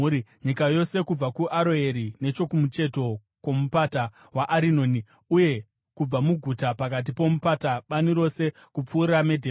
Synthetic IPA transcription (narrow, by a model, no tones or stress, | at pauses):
ɲikajo̞se̞kub͡vakuʔaɾoe̞ɾine̞t͡ʃo̞kumut͡ʃe̞to̞ | kwo̞mupata | waʔaɾino̞ːni | uje̞ | kub͡vamuɡʱutapakat̬ipo̞mupataɓaniɾo̞se̞ | kup͡fuːrame̞dʱeː